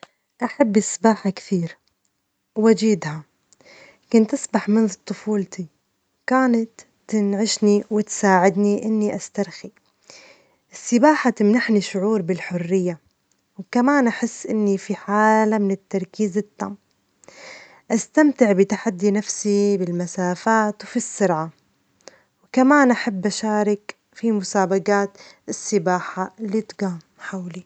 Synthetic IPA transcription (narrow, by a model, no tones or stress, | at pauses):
ʔaħabːɪsbaːħakt̪iːɾ | wad͡ʒiːd̪ha | kʊnt̪ʔasbaħmɪnðt̪ˤːʊfuːlt̪ʰi | kaːnat̪ː | ɪnʕɪʃniwɪt̪saːʕɪd̪niʔɪnːiʔast̪aɾxi | ʔɪsːɪbaːħat̪ɪmnaħniʃʊʕuːɾbɪlħʊrːɪjːa | wkamaːnʔaħɪsːʔɪnːifiħaːlamɪnɪt̪ːɑɾˤkiːzɪt̪ːa̰m | ʔast̪amt̪ɪʕbɪt̪aħad̪ːinafsibɪlmasaːfaːt̪wfisːʊɾʕa | wkamaːnʔaħabːʔaʃaːɾˤɪk | fimʊsaːbaɡaːt̪ɪsːɪbaːħalːit̪ɡaːm | ħawli